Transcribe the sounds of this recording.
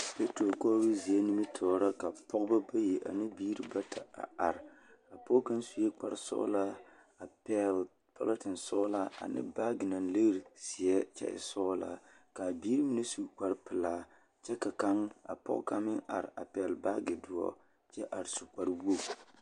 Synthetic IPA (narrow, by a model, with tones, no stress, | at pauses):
pe˦to˨kɔː˦bi˦zi˨ɛ˦ni˦mi˦tʰɔː˨ɾa˦ka˨pʰɔ˦ɡba˦ba˦je˨ʔa̰˨nɨ˦biː˦ɾɨ˦ba˦tʰa˨a̰˨a˨ɾa˨pɔ˦ka˦nsu˨jɛ˦k͡pa˨ɾsɔ̰˦la˦ | a˨pɛ˦l | pʰa̰˦la˦tɪ˨nsɔ˦la˦a̰˨nɨ̰˦ba˦ɡɪ˨na˨nlɨ˦ɣɾsi˨ɛ˦t͡ʃɛ̰˦ʔɪ̰˨sɔː˦la̰˦ | ka˨biː˦ɾɨ˦mɨ˦˨nɨ˦su˨k͡pa˨ɾpɨ˨laː˦ | t͡ʃɛ˦ka˨ka˦ŋa̰˨pɔ̰˦ʔka˦mɪ˦ŋa̰˨ɾa̰˨pɛ˨lba˦ɡɪ˨dʊ˨ɔ̰˦ | t͡ʃɛ˦ʔa˨ɾsu˨k͡pa˨ɾbu˦o˦